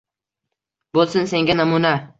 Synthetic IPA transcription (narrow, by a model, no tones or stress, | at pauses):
bolˠsɪnse̞ŋɡʲanamuna